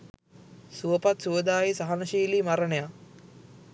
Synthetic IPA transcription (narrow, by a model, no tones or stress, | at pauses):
suʋəpat̪suʋəd̪aːjisaɦanəʃiːlimaɾəneja